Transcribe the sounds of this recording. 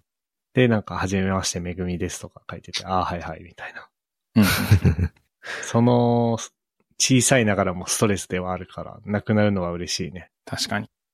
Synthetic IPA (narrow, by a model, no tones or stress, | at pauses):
d̪̥e̞nãŋkahaʑime̞maɕi̥t̪e̞me̞ɡɯ̟mʲid̪e̞sɨ̥t̪o̞kakait̪e̞t̪e̞aːhaihaḭmʲit̪ainḁ | ɯ̃ | so̞no̞ | t͡ɕiːsainaɡaɾamo̞sɨ̥t̪o̞ɾe̞sɨd̪e̞βaːɾɯ̟kʰaɾa̰nakɯ̟naɾɯ̟no̞βaɯ̟ɾe̞ɕiːne̞t̪ʰaɕi̥kaɲi